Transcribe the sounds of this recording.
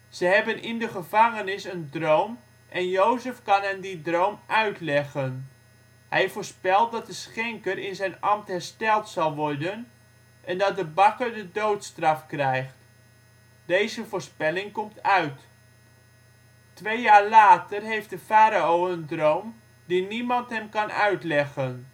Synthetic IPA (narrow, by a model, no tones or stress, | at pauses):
z̥əɦɛbənʔɪndəχəvɑŋənɪsəndrowm | ʔɛnjowzəfkɑnɦɛmdidrowmʔœɥtlɛχən | hɛjvoːɹspɛlˠt̚dɑt̚dəsχɛŋkərɪnzɛjnɑmtɦɛrstɛlˠtsɑlˠʋɔɹdən | ʔɛndɑt̚dəbɑkərdədowtstrɑfkrɛjχt | d̥ejzəvoːɹspɛlɪŋkɔmtœɥt | tʋejjaːɹlaːtərɦejft̚dəfaːɾaowəndrowm | dinimɑntɦɛmkɑnœ̰ɥtlɛχən